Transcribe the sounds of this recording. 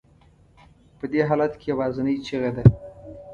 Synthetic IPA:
pəd̪eɦɑlat̪kejawɑzɪnəjt͡ʃiɣed̪a

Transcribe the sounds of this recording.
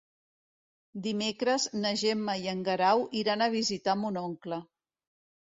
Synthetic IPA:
d̪imekɾəznəʒɛmːəjəŋɡəɾawʔiɾanəβ̞izit̪amunɔŋklə

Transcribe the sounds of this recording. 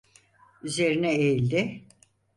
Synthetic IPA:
yze̞ɾinɛejlʲd̪ɪ

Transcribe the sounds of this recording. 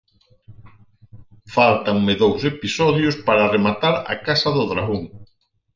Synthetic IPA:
falt̪aŋmɪðowsepisɔðjʊspaɾaremat̪aɾɐ̰kasɐðʊðɾaɣoŋ

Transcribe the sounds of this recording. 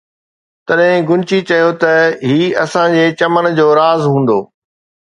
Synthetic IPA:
t̪ɐɗɦɪ̃ɡʊnt͡ɕit͡ɕɐjot̪ɐɦiːɐsãd͡ʑeːt͡ɕɐmənd͡ʑoːɾaːzɦũːn̆d̪oː

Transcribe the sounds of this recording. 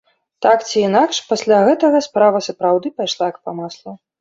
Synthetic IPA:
t̪akt͡sʲiːnakʂpasʲlʲaɣɛt̪ɐɣɐspɾavɐsɐpɾawd̪ɨpajʂlˠajkpɐmaslˠɐ

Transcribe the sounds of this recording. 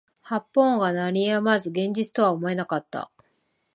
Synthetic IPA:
hapːõ̞ŋɡanaɾʲijamazɨɡẽ̞ɲ̟d͡ʑit͡sɨ̥t̪o̞βaomo̞e̞nakat̪ːa̰

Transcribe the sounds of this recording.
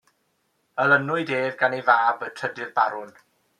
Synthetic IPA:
ələnʊɨdeːvɡanejvaːbətʰədɪðbaɾʊn

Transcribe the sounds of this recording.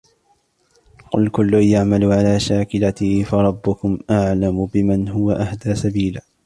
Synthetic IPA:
qʊ̰lkʊlːʊjaʕmalʊʕalaːʃaːkɪlat̪ɪfɑɾˤɑbːʊkʊmʔaʕlamʊbɪmanɦʊwaʔahd̪aːsabiːlaː

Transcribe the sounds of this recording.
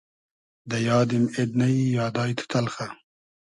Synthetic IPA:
d̪ɐjɑːd̪imed̪nɐjjɑːd̪ɑːjt̪ʰu̥t̪ʰɐlxa

